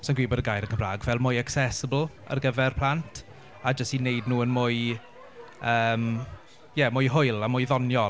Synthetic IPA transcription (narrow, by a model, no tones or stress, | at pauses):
sɔnɡwiːbɔdəɡajɾənkʰəmraːɡvɛlˠmʊjaksɛsəbəl̩ˠə̰rɡəvɛrpʰl̥antʰ | ad͡ʒəstinejdnuːənmʊɨ | əːm | jɛmʊjɦʊɨlˠamʊjðɔnjɔ